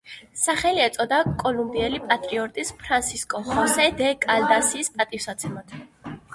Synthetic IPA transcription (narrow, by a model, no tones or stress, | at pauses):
saχɛliɛt̪sʼɔd̪akʼɔlumbiɛlipʼat̪ʼɾiɔɾt̪ʼispʰɾansiskʼɔχɔsɛd̪ɛkʼald̪asiːspʼat̪ʼifsat̪sʰɛmat̪ʰ